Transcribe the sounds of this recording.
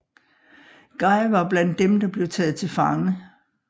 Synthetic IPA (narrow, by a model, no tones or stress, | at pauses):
ɡ̥ɑ̈ɪʋɑ̈b̥læn̰d̥ːemd̥ɑ̈b̥le̝ʊt͡sʰɛ̰ːð̞̩ˠt͡sʰe̝lfɑ̈ŋə